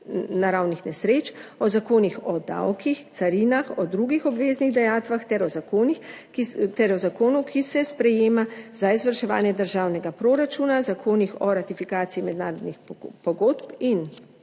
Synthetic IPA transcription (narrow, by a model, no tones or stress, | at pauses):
naɾawnixnɛsɾeːt͡ʃɔzakoːnixɔd̪a̰wkixt̪saɾiːnaxɔd̪ɾuɡixɔbʋeːzniɣd̪ɛjaːt̪ʋaxt̪ɛɾɔzakoːnix | t̪ɛɾɔzakoːnukʰisɛspɾɛjeːmaz̥aizʋəɾʃɛʋa̰ːnjɛd̪əɾʒaːwnɛɡapɾoːɾat͡ʃuːnazakʰoːnixɔɾat̪ifikaːt̪siimɛd̪naːɾɔd̪nixpɔɡoːt̪pin